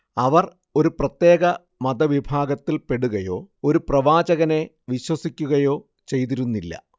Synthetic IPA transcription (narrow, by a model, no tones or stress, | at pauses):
ɐʋɐr | o̞ɾuprɐt̪je̞ːɣɐ | mɐd̪ɐʋibʱaːɡɐt̪ːilpe̞ɽuɣɐjo̞ːo̞ɾuprɐʋaːd͡ʑɐɣɐne̞ | ʋiɕwɐsikʲːuɣɐjo̞ː | t͡ɕe̞jt̪̬iɾunːilːɐ̰